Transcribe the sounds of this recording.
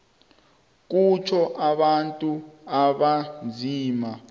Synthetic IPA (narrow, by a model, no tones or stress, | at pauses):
k̬ut͡ʃʰɔʔaɓantʼuaɓand͡zʱiːma